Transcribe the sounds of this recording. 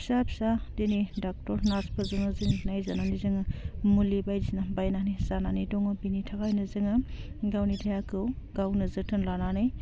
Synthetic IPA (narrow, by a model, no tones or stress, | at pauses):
isabisadenidak̚tɔɾnaspʰɐzɯŋɯziŋnajzananizɯŋɯmulibajdisnabajnanizananidɔŋɯbinitʰakajnɯzɯŋɯ | ɡawnitʰajakʰɯw | ɡawnɯzɯtʰɯnlananɯj